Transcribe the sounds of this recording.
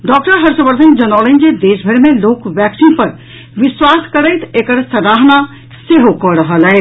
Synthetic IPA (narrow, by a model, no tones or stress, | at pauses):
ɖɔːk̚ʈəɾɦɐɾsəbəɾt̪ʰə̃nd͡ʒənaːlẽnd͡ʒed̪eːsbʱəɾmẽloːkʋjɛːksinpəɾ | ʋɪswaːskəɾəjt̪ʰekəɾsəɾaːɦna | seɦokəɾəɦəlɦɛe